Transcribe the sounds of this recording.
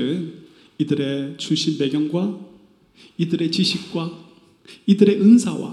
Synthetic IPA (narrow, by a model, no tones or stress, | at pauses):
ɯ | idɯɾe̞t͡ɕuɕʰinpe̞ɡjʌŋɡwa | idɯɾe̞t͡ɕiɕʰik̚k͈wa | idɯɾe̞ʔɯnsʰawa̰